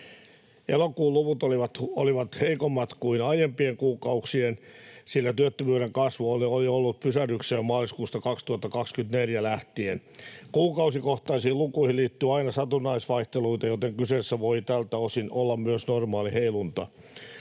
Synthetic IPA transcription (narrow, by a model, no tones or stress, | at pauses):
elokuːluʋut̪oliʋɑt̪oliʋɑt̪heikomːɑt̪kuinɑijempieŋkuːkɑuksiensilːæt̪yøt̪ːøʋyøɾeŋkɑsʋuolioliolːut̪̚pysærykseːmmɑːliskuːst̪ɑkɑkst̪uhɑt̪ːɑkɑkskynt̪neljælæht̪ienkuːkɑusikoht̪ɑisiːlukuihiliːt̪ːyɑinɑsɑt̪unɑisʋɑiht̪eluit̪ɑjot̪eŋkyseːsːæʋoit̪ælt̪æosinolːɑmmyøsnormɑːliheilunt̪ɑ